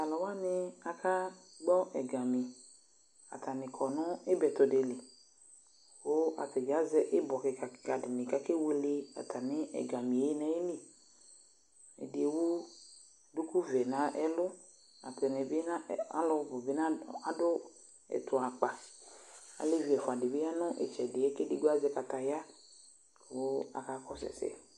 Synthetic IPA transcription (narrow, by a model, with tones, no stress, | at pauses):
a˨lɔ˨wa˦nɪ˦a˨kʰa˦ | ɡ͡bɔ˦ʔɛ˨ɡa˨mi˨ | a̰˨t̪ʰa˨nɪ̃˨kʰɔ˨nɔ̃˦e˦bɛ˨t̪ɔ˨de˨le˨ | wo˦a̰˨te˨ɡa˦zɛ˦ʔɪ˦bɔ˨ke˨ka˨ɡa˨dɪ˨nɪ̃˨ka˦ke˦we˦le˦a̰˨t̪ʰa˨nɪ̃˦ʔɛ̰˨ɡa˨mĩ˨e˦nã˦e˦li˦ | ɛ̰˨de˨e˨˦wu˦˨ | du˦ku˦vɛ˨nã˦ʔɛ˦lʊ˦ | a̰˨pɛ˨nɛ˨be˦na˦a̰˦lʊ˦vʊ˨be˦nã˦a˦dʊ˦ | ɛ̰˨tʊ˨a˨k͡pa˨ | a̰˨le˦vi˨ɛ˨fʊ˨a˨dɪ˨be˦ja˦nʊ̃˦ʔɛ̰˨t͡ʃɛ˨dɪ˨e˦ke˦dɪ˨ɡo˦a˦zɛ˦ka˨ta˨ja˦˨ | wo˦a̰˨ka˨˦kɔ˦sɛ̰˨sɛ̰˦